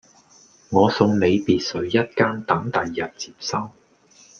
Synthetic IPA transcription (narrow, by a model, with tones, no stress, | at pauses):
ŋɔː˨˧sʊ˧ŋne˨˧jpiː˨t̚sɵ˨˥ɥjɐ˥t̚kaː˥nt̪ɐ˨˥ŋt̪ɐ˨jːɐ˨t̚t͡si̥ː˨˩p̚sɐ˥w